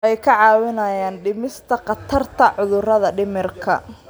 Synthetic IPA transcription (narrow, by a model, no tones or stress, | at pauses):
ʔɛjkʰɐʕɑːwɪnɐjaːnɖɪmɪst̪ʰɐqɑt̪ʰɐrt̪ʰɐʕʊðʊrɐðɐɖɪmɪrkʰɐ̰